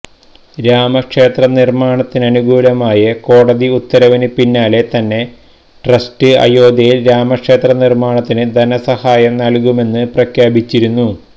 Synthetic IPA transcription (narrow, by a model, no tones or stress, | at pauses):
ɾaːmɐkʂe̞ːt̪rɐnirmaːɳɐt̪ːinɐnuɡuːlɐmaːjɐko̞ːɽɐðiut̪ːɐɾɐʋinɨpinːaːle̞t̪ɐnːe̞ | ʈrɐstɨɐ̰jo̞ːd̪ɐjilɾaːmɐkʂe̞ːt̪rɐnirmaːɳɐt̪ːinɨd̪ʱɐnɐsɐhaːjɐmnɐlkume̞nːɨprɐkʰjaːbit͡ɕːiɾunːu